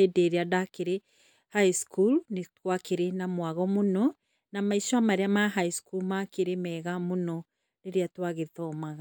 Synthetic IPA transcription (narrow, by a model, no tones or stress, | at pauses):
edeɾeadakeɾe | haiskulneɣwakeɾenamwaɣɔmonɔ | namaiʃɔamaɾeamaɦaiskulmakeɾemɛːɣamonɔ | neɾeatwaɣeðɔmaɣa